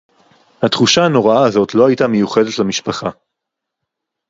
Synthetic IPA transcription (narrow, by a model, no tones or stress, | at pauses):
hat̪χuʃaano̞ʁaaːzo̞tlo̞hajtame̞juχe̞detlamiʃpaχa